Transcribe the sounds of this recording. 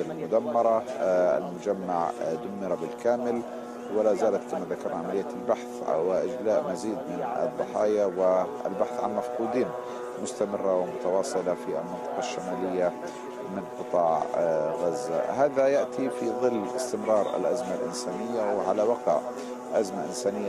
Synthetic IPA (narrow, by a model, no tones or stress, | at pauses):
ɪlmʊd̪amːɑɾˤɑa̰lmʊd͡ʒamːaʕd̪ʊmːɪɾˤɑbɪlkaːmɪl | wɪlazaːlat̪kamaðakɑɾˤnaʕamalɪjːalbaħθwɪʔɪd͡ʒlaːʔmaziːd̪mɪnɨ̰d̪ˤːɑħɑːjawɪ | ɪ̰lbaħθʕa̰nmafquːd̪iːn | mʊst̪amɪrːawɪmʊt̪ɑwɑːsˤɨlafia̰lmɪnt̪ˤɑ̥qɑʃːamaːlɪjːa | mɪnqɨt̪ˤɑːʕɣazːa̰ɦaːðajaʔt̪ʰifiðˤɨlːʔɪst̪ɪmɾˤɑːɾˤɪ̰lʔazmalʔɪ̰nsaːnɪjːawɪʕalawɑqʕ | ʔazmaʔɪnsaːnɪjːa